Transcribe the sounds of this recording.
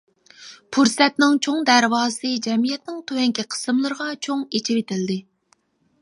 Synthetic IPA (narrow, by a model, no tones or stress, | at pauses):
pʰuɾsɛt̪nɪŋt͡ʃʰoŋd̪æɾwɑːsɨd͡ʒɛmijɛt̪̚nɪŋt̪ʰohɛŋkʲʰiqʰə̥sɨmlˠɨɾʁɑt͡ʃʰoŋet͡ʃʰɪwet̪ʰɪld̪ɪ